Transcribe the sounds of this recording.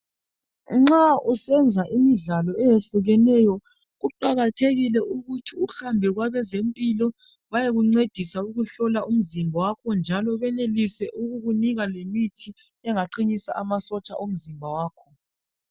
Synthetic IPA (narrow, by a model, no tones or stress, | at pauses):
ŋ͡ǁausɛnd͡zʱaʔimizalɔɛjeɬuɣɛnɛjɔ | ɣuǃaɣatʰeɣilɛʔuɣutʰiuɬambʱɛɣwaβɛzempʼilɔ | βajeɣuŋ͡ǀed̥ʱisauɣuɬɔlaʔum̩zimbʱawakʰɔnd͡ʒʱalɔβɛnelisɛʔuɣuɣuniɣalemitʰi | ɛŋaǃiɲisa̰ʔamasɔt͡ʃʼaʔum̩zimbʱawaːkʰɔ